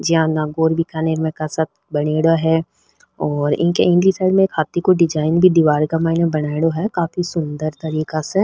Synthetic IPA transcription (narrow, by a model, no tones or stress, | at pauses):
d͡ʒɪɦãnaːɡoːɾbʱikaneːɾmẽkasaːt̪̚ʰbɐɽ̃eːɽaɦɛ | ɔːɾɪ̰̃ɦkeẽɳɖlisaːɪlmẽːkhaːt̪ːikoɖɪd͡ʒaːɪnbʱid̪iʋaːɾkamaːɪnẽbɐɽaːeɽoɦɛkaːfisʊnd̪əɾt̪ɐɾiːkase